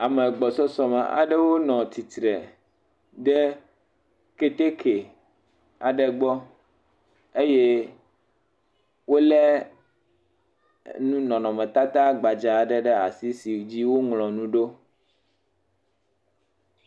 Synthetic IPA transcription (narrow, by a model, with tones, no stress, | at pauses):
a˨mɛ˨ɡ͡bɔ˨sɔ˦sɔ˨mɛ̰˨ʔa̰˨ɖɛ˦wo˦nɔ̃˨t̪i˨t̪ɾɛ˨ | ɖɛ˦ | ke˦t̪e˦kʰe˨ | a˨ɖɛ˨ɡ͡bɔ˦ | e˦je˦ | wo˦lɛ˦ | nũ˦nɔ̃˨nɔ̃˨mɛ̃˨t̪a˦t̪a˦ɡ͡ba˨d͡ʒa˨ɖɛ˦ɖɛ˦a˨si˦si˨d͡ʑi˦wo˦ŋlɔ̃˨nũ˦ɖo˦